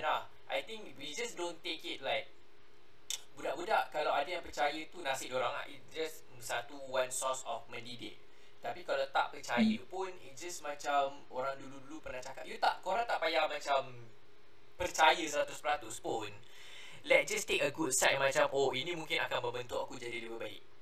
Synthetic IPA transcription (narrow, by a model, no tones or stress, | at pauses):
na | ʔajt̪ɪ̃ŋkwid͡ʒasdõnt̪ekit̚lajk̚ | budaʔbudaʔkalawadəjãŋpərt͡ʃajət̪unasɪhdioɾaŋla̰ḭt̚d͡ʒas | sat̪uwansɔsɔ̰fmə̃ndidɪ̰k̚ | t̪apikalawt̪a̰ʔpərt͡ʃajəpʊnɪ̰t̚d͡ʒasmat͡ʃamʔoɾaŋduludulupərnaht͡ʃakatjut̪a̰ʔkoɾaŋt̪aʔpajaŋmat͡ʃam | pərt͡ʃajəsəɾat̪uspəɾat̪ʊspʊn | lɛt̚d͡ʒast̪ekəɡud̚sat̚mat͡ʃamʔoinĩmũŋkɪnakanbəmbənt̪ʊʔakud͡ʒadidəwəbaɪ̰k̚